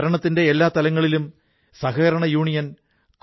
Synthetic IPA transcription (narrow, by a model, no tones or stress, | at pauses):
ɾɐɳɐt̪ːinde̞ːlːaːt̪ɐlɐŋːɐɭilum | sɐɦɐːɾɐɳɐjuːɳijɐn | k